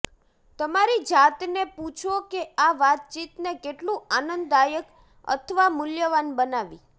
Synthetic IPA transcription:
t̪əmaɾid͡ʒat̪neput͡ʃʰokeaʋat̪̚t͡ʃit̪nekeʈlũanənd̪ajək | ə̰t̪ʰəʋamʊljəʋanbənaʋḭ

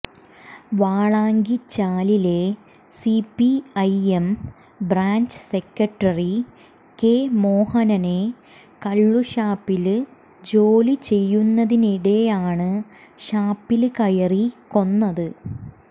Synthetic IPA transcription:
ʋaːɭaːŋɡit͡ɕaːlile̞ | sipːiɐjem | braːɲd͡ʑse̞kːɐʈːɐri | keːmo̞ːhɐnɐne̞ | kɐɭːuɕaːpːil | d͡ʑo̞ːlit͡ɕe̞jːunːɐðiniɽe̞jaːɳɨɕaːpːilkɐjɐriko̞nːɐðɨ

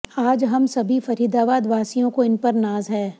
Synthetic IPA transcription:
aːd͡ʒɦɐmsɐbʱifɐɾiːd̪aːbaːd̪ʋaːsijõkoɪnpɐɾnaːzɦɛː

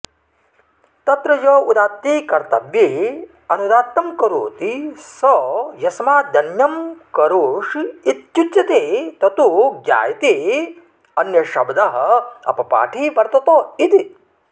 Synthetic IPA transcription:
t̪ɐt̪ɾɐjɐːud̪aːt̪ːikɐɾt̪ɐʋji | ɐnud̪aːt̪ːɐmkɐɾo̰ːt̪isɔjɐsmaːd̪ɐnjɐmkɐɾoːʂit̪jut͡ʃ̪t͡ʃɐt̪et̪ɐt̪uɡja̰ːjɐt̪i | ɐnjɐʃɐbd̪ɐɦɐɐ̰pɐpa̰ːʈʰiːʋɐɾt̪ɐt̪oːit̪i

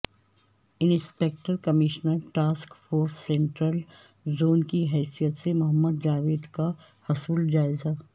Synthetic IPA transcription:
ɪnspek̚ʈəɾkɐmɪʃnəɾʈaːskfoːɾsːẽɳʈɾəl | zoːnkiɦɛːsijət̪semʊɦəmːəd̪d͡ʒaːʋeːd̪ka | hɐsuld͡ʒaːɪza

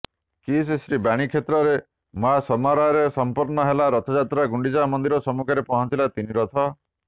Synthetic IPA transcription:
kisesɾibaɽ̃ikʰet̪ɾɔɾe | mɔɦasɔmaɾaɾesɔmpɔɾnɔɦelaɾɔt̪ʰɔd͡ʒat̪ɾaɡuɳɖid͡ʒamɔnd̪iɾɔsɔmukʰɔɾepɔɦɔnt͡ʃilat̪iniɾɔt̪ʰɔ

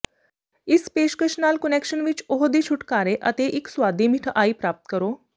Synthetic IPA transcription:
ispeɕkeɕnalkənekɕənʋit͡ɕoɦd̪it͡ɕʰuʈkaɾeʔə̰t̪eʔiksʋad̪ʱim̤iʈʰəʔaipɾap̚t̪kəɾo

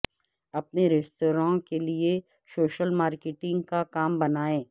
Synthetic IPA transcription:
ɐpneɾesʈoːɾãːkelie | soːʃəlmaːɾkɪʈɪ̃ŋɡkakaːmbɐnaːẽː

